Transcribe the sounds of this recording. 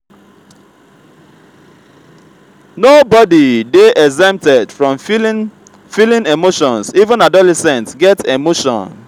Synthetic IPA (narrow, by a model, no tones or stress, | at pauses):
nobɔdideʔɛzɛ̃mp̚tɛdfɹɔ̃m | filĩnemoʃɔ̃nsivə̃nadɔlɛsɛ̃ntɡɛtemoʃɔ̰̃n